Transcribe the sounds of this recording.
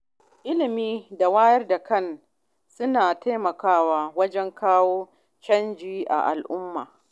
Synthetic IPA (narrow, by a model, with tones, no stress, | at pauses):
ʔɪ˦lɪ˨miː˦da˨waː˦jɐ˦rda˨kɐ˦˨n | sʊ˦naː˨ta˦mɐ˨kaː˦waː˦wɐ˦d͡ʒɛ˦ŋkʰaː˦woː˦ | t͡ʃɐ˦nd͡ʒiː˦ʔa̰˨ʔa̰˨lʔʊ˦mːa̰ː˨